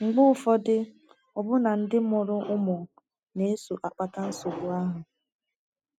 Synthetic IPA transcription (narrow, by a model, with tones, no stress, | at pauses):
ŋ͡m̩˨ɡ͡bʊ˦ʊ˦˨fɔ˦dɪ˦ | ɔ˨bʊ˦na˨n̩˦dɪ˦mʊ˨ɾʊ˦ʔʊ˦mʊ˨ | ne˨˦su˨ʔa˨k͡pa˨ta˦n̩˦so˨bʊ˨a˦ɦʊ˨